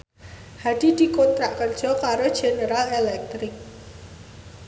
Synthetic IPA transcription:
had̪̥i̤d̪̥i̤kont̪ɾaʔkərd̥ʒ̥ɔ̤kaɾod̥ʒ̥e̤nəɾalelɛk̚t̪ɾɪk̚

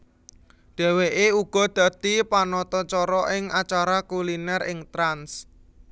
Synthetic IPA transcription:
d̪̥e̤weʔeuɡ̥ɔ̤d̪̥ä̤t̪ipanɔt̪ɔt͡ʃɔɾɔʔɪŋat͡ʃaɾakulinɛrɪŋt̪ɾans

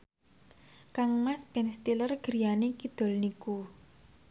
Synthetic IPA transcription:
kaŋmaspɛnst̪ilərɡ̥əɾijanekid̪̥o̤lniku

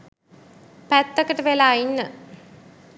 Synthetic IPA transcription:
pæt̪ːəkəʈəʋelaːinːə

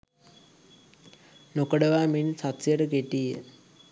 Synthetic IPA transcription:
nokəɖəʋaːminsat̪sijəɾəɡeʈijə

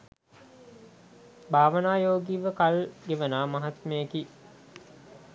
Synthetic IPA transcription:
bʱaːʋənaːjoːɡiːʋəkalɡeʋənaːmaɦat̪meːki

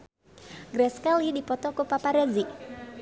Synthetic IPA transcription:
ɡɾɛskaliidipɔt̪ɔkupapaɾɛzi

